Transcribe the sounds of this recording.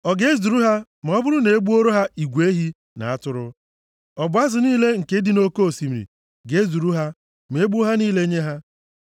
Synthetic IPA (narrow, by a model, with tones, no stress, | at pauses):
ɔ˨ɡe˦zu˨ɾu˦ɦa˦ | m̩˨ɔ˦bʊ˦ɾʊ˦ne˨e˦ɡ͡bu˦o˦ɾo˦ɦa˦i˨ɡʷe˦ɦi˦ | na̰˨a˦tʊ˦ɾʊ˦ | ɔ˨bʊ˨˦a˦zʊ˨niː˦le˦ŋ̩˨ke˦di˦no˦ko˦o˨si˨m̩˨ɾḭ˨ | ɡe˦zu˨ɾu˦ɦa˦ | m̩˨e˨˦ɡ͡bu˦ɦa˦niː˦le˦ɲe˦ɦa˦